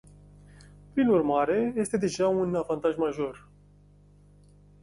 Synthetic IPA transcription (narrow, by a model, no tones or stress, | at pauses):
pɾinurmaɾe̞je̞st̪e̞d̪e̞ʒaunavant̪aʒmaʒo̞r